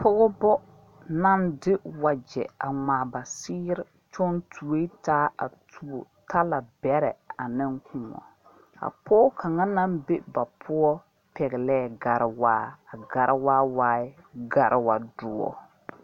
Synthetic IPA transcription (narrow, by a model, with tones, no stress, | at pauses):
pʊ˦ɣɔ˦bɔ˦ | na˦ndɪ˦wa˨d͡ʒɛ̰˨a˨ŋaː˨ba˨sɪː˦ɾɪ˦ | t͡ʃɔ˦ntʰu˨we˦taː˦a̰˨tu˨o̰˨ | tʰa˦la˨bɛ˨˦ɾɛ˨a˨nɪ˦ŋkũ˨ŋɔ̰˨ | a̰˨pʰɔː˦kʰa˨ŋa˦na˦mbe˦ba˨pʰʊ˦ɔ˦ | pɛ˨ɣɪ˨lɛː˦˨ɡa˨ɾɪ˨waː˦a˨ɡa˨ɾɪ˦waː˦waː˦ɪ˦ | ɡa˨ɾʔɪ˨wa̰˨dʊ˨ɔ̰˦